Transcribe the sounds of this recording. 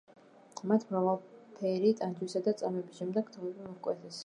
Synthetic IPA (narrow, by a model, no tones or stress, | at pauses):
mat̪ʰmɾavalˠpʰɛɾit̪ʼand͡ʒwisad̪at̪sʼamɛbisʃɛmd̪ɛɡ̥kt̪ʰɔvɛbimɔkʼwɛt̪ʰɛs